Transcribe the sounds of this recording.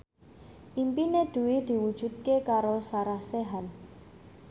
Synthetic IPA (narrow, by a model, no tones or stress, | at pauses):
ʔimpined̪̥ṳwid̪̥i̤wud̥ʒ̥ṳt̪̚kekaɾosaɾahseɦan